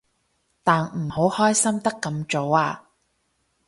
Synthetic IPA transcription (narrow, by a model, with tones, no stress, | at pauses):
t̪aː˨nm̩˨˩ho˨˥whɔː˥jsɐ˥mt̪ɐ˥kːɐ˧mt͡ʃo˨˥waː˧